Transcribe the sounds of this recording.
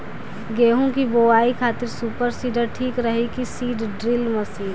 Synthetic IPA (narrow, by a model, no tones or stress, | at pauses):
ɡeːɦõkiboːaːikʰaːt̪ɪɾsuːpəɾsiːɖəɾʈʰiːkɾəɦikisiːɖɖɾɪlmɐsiːɾ